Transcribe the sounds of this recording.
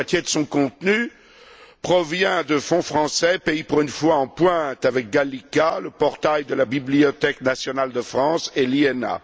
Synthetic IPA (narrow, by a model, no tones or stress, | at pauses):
at̪jed̪əsɔ̃kɔ̃t̪ny | pχɔvjɛ̃d̪əfɔ̃fχɑ̃sɛpeipuʁynfwaɑ̃pwɛ̃t̪avɛk̚ɡalikaləpɔʁt̪ajd̪əlabibliɔt̪ɛknasjɔnald̪əfχɑ̃seliɛna̰